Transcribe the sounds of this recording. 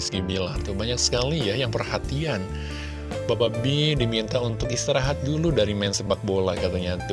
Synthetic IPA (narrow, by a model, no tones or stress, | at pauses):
skibilart̪ubaɲaksə̥kalijajaŋpərhat̪ian | bababidimint̪aunt̪ʊkist̪iɾaɦat̪̚duludaɾimansəbak̚bola̰kat̪aɲat̪u